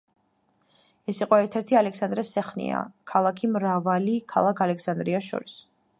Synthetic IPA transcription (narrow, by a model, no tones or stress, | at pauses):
ɛsiqʼɔɛɾt̪ʰɛɾt̪ʰialɛksand̪ɾɛsɛχnḭa̰kʰalˠakʰimɾavalikʰa̰lˠakʰalɛkʰsand̪ɾiaʃɔ̰ɾis